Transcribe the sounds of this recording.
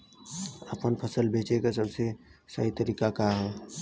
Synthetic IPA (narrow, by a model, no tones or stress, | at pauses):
əpənpʰəsəlbʱeːt͡ʃekas̬ɐbsesə̰ɦit̪əɾiːkakaɦɛː